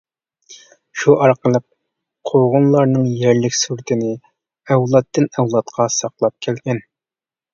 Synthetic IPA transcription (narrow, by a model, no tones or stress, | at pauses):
ʃuʔɑɾqəlˠəq̚ | qʰoʁʊnlˠɑɾnɨŋjɛɾlɪkʲsuɾt̪ʰɪnɪ | ɛwlˠɑt̪ʰːɨnɛwlˠɑt̪qʰɑsɑqlˠɑp̚kʲʰɛlɡʲɛn